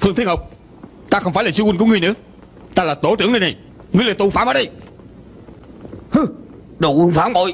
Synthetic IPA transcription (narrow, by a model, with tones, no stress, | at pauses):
fɨ˧ŋt̪ʰi˧˥ŋhə˨˩wk͡p̚ | t̪aː˧xə˧wŋ͡mfaː˧˦jlaː˨˩si˧wi˨ŋkːŋɨ˨˩ənɨ̰˧˥ə | t̪aː˧laː˨˩t̪o˨˧˦t͡ɕɨ̰˨˧˥ənɗə˧jna˨˩j | ŋɨ˨˩əlaː˨˩t̪u˨˩faː˨˦məː˧˦ɗə˧˩j | hɨ˧˩ | ɗo˨˩ʔɨ˧˦ŋfaː˨˦ŋɓo̰˧˨j